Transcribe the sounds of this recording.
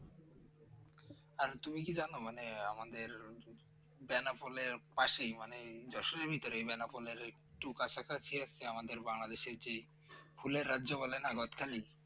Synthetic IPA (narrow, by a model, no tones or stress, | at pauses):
aɾt̪umikid͡ʑanomaneamad̪eɾ | bɛnapoleɾpaʃejmaned͡ʑɔʃoneɾbʱit̪oɾebɛnapoleɾek̚ʈukat͡ɕʰakʰat͡ɕʰiasʰeamad̪eɾbaŋlad̪eʃeɾd͡ʑej | fʰuleɾːadːʑobɔlenaɡot̪kʰali